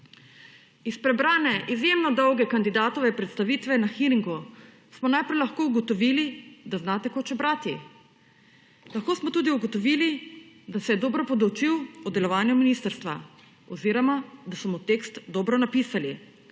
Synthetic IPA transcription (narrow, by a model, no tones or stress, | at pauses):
ispɾɛbɾaːnɛʔizjemnɔd̪ɔwɡɛkand̪id̪aːt̪ɔʋɛpɾɛt̪st̪aʋiːt̪ʋɛnaxiɾiŋɡu | smɔnajpɾɛjlaxkoːuɡɔt̪ɔʋilid̪aznaːt̪ɛkoːt͡ʃɛbɾaːt̪i | laxkoːsmɔt̪uːd̪iuɡɔt̪ɔʋili | d̪asɛjɛd̪oːbɾɔpɔd̪ɔwt͡ʃiwɔd̪ɛlɔʋaːnjuminist̪əɾst̪ʋa | ɔziːɾɔmad̪asɔmɔt̪eːkst̪d̪oːbɾɔnapiːsali